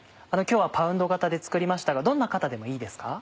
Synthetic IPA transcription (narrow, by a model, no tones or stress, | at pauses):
ano̞kʲo̞ːβapaɯ̟̃nd̪o̞ɡat̪ad̪e̞t͡sɨ̥kɯ̟ɾʲimaɕi̥t̪aɡad̪õ̞nːakat̪ad̪e̞mo̞iːd̪e̞sɨ̥ka